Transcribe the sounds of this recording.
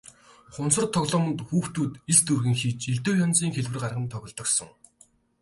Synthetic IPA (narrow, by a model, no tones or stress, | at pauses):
χʊnsə̆rt̪ʰːɔɣɮɔːmə̆nt̪xuːxt̪uːt̪iɮt̪urɣɘ̆ŋxiːt͡ɕiɮt̪oːjɔnt͡siːŋxeɮwɘrɢarʁə̆nt̪ʰɔɣʲɞ̆ɮt̪ɞ̆ksə̆ŋ